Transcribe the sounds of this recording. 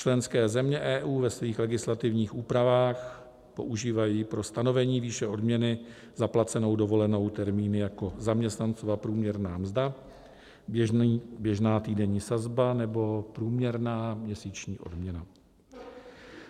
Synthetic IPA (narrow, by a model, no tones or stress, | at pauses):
t͡ʃlɛnskɛːzɛmɲɛʔɛːʔuːvɛsviːxlɛɡɪslat̪ɪvɲiːxuːpɾavaːx | po̞̰ʔuʒiːvajiːpɾo̞st̪ano̞vɛɲiːviːʃɛʔo̞dmɲɛnɪ | z̥aplat͡sɛno̞wdo̞vo̞lɛno̞wt̪ɛɾmiːnɪjako̞zamɲɛst̪nant͡sovapɾuːmɲɛɾnaːmzda | bjɛʒnaːt̪iːdɛɲiːsazbanɛbo̞pɾuːmɲɛɾnaːmɲɛsiːt͡ʃɲiːʔo̞̰dmɲɛna